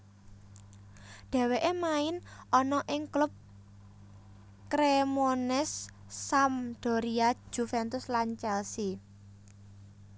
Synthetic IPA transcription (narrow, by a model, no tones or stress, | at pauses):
ɖ̪̥ɛ̤weʔemaɪnʔɔnɔʔɪŋklʊp̚ | kɾemonɛsː | amd̪̥ɔ̤ɾiḁd͡ʒ̥ufɛnt̪ʊslaɲt͡ʃɛlsi